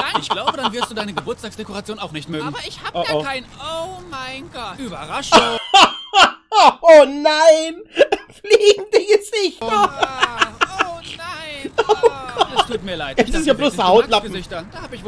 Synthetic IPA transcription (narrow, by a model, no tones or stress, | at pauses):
ɪçɡlaʊbədanvɪɐstd̥uːdaɪnəɡəbʊɐt͡staːksd̥ekoʁat͡sjoːnaʊxnɪçtmøːɡŋ̩ɐɐɪːoʔoɪnoɪ̥ybɐʁaʃ | oːnaɪnfliːɡŋ̩diɡəz̥ɪçt | oɡ̥ɔtʰuːtmiːɐlaɪtɛɪsiːɐbloːshaʊtlapm̩ɪɐ̥haːbɪç